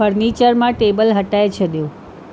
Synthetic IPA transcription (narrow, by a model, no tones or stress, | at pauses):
əɾnit͡ʃəɾmãʈebəlɦəʈajet͡ʃʰed̪jõ